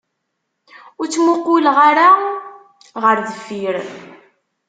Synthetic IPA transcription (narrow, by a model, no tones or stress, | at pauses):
ʊɾt͡sːmʊqːilʁaɾa | ʁəɾðəfːiɾ